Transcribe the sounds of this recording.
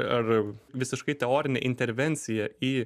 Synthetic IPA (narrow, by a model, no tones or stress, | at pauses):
ɐrʋʲɪsʲɪʃkɐɪt̪ʲɛoːɾʲɪnʲɛ̰ʔɪnʲt̪ʲɛɾʲʋʲɛnʲt̪sʲɪjɛiː